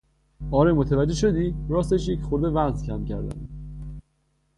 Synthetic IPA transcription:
ɒːɾemot̪ʰævæd͡ʒːeʃod̪iːɾɒːst̪eʃjecχoɾd̪e̞væzcʰæmcʰæɾd̪æ̰n

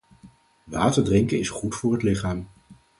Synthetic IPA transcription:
ʋaːtəɹdrɪŋkənɪsχutfʊːɹɦətlɪχaːm

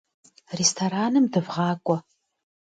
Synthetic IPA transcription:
restʰoɾaːnɨmdɨvʁɑːkʷʼɔ

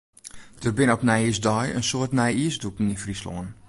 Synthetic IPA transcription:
d̥ərbɪnɔpnɛjisdɔjə̰nsoətnɛjiəsdukŋ̩infrislɔ̰ːən

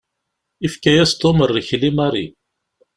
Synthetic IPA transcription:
ifkæjæst̪omərˤːiçlimɑɾˤḭ

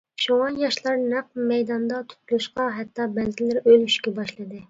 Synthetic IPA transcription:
ʃuŋɑnjɑʃlˠɑɾnæq̚mɛjd̪ɑnd̪ɑt̪ʰy̥t̪̚ʰlˠuʃqɑɦɛt̪ːɑbɛlzɪlɪɾølyʃkʲɛbɑʃlˠɨd̪ɨ

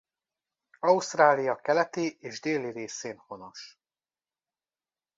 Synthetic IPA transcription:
ɒust̪raːlijɒkɛlɛt̪eːʔeːʒd̪eːlːiɾeːseːnhono̞ʃ

